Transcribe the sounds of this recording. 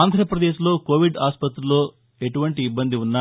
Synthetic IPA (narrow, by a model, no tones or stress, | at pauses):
aːnd̪ʱɾɐpɾɐd̪eːʃlo̞ːkoːʋiɖaːspɐt̪ɾulo̞ː | e̞ʈuʋɐɳʈiːbːɐnd̪iunːa